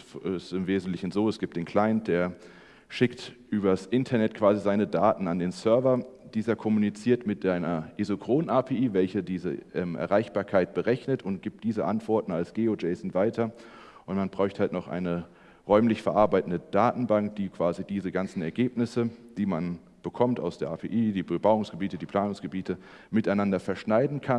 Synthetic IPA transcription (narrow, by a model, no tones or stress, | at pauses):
sɪmveːzn̩tlɪçn̩zoːɛsɡ̥iːp̚td̥eːnkʰl̥aɪnt̚d̥eːɐ | ʃɪktʔyːbɐsʔɪntʰɐnɛtkʰv̥aːzizaɪnədaːtn̩andeːnsœɐvɐd̥iːzɐkʰɔmunit͡siːɐtmɪtaɪnɐʔezokʁ̥oːnaːpʰeːʔiːvɛlçədiːzə̰ʔɛmʔɛ̰ɐʁaɪçb̥aːɐkʰaɪt̚b̥əʁɛçnətʊntɡ̥iːp̚td̥iːzəʔa̰ntv̥ɔɐtn̩alsɡ̥eːod͡ʒɛɪsɪŋ̩vaɪtʰɐ | ʔʊntmanb̥ʁaʏçthaltnɔχʔa̰ɪnə | ʁɔʏmlɪçfɛɐʔaɐbaɪtn̩dəd̥aːtn̩baŋk̚d̥iːkv̥aːzidiːzəɡant͡sn̩ɛɐɡeːpnɪsəd̥iːman | b̥əkʰɔmta̰ʊsd̥eːɐʔaːpʰeːʔiːdiːbəbaʊʊŋsɡ̥əbiːtədiːpʰl̥aːnʊŋsɡ̥əbiːtʰə | mɪtaɪnandɐfɛɐʃnaɪdn̩kʰa